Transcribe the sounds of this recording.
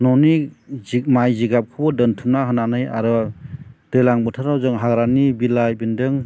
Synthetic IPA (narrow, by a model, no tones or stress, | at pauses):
nɔni | majziɡap̚kʰɯbɔdɯntʰunaɦɯnanɯja̰ɾɯ | d̥ɯjlaŋbɯtʰɯɾawzɯŋɦaɡɾanibilajbindɯŋ